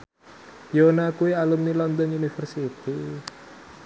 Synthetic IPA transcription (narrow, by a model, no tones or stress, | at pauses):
jonakuwialumnilɔnd̪ɔnunifərsit̪i